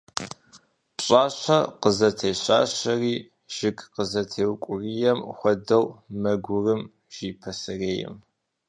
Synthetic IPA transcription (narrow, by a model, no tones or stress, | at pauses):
pɕʼaːɕɐqəzɐtʰeːɕa̰ːɕɐriː | ʒ̥ɪkqəzɐtʰeːwkʷʼʊriːjɛmxʷɔdɐwmɐɡʷʊrɨm | ʒ̥iːpʰɐsɨreːjɛ̰m